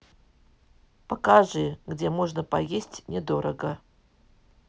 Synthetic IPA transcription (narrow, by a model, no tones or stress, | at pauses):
pɐkaʐɨɡdʲemoʐnəpɐ̰jesʲtʲnʲɪd̪o̞ɾəɡə